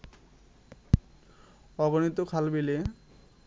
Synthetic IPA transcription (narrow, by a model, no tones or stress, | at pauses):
ɔɡonit̪okʰalbile